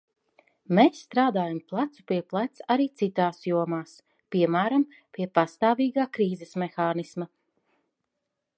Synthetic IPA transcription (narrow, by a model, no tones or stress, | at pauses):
mesːt̪ɾaːd̪aːjamplˠat̪su̥piɛplˠat̪saɾiːt̪sit̪aːsjuɔmaːs | piɛmæːɾam | pʲiɛpast̪aːviːɡaːkɾiːzɛsmexaːnisma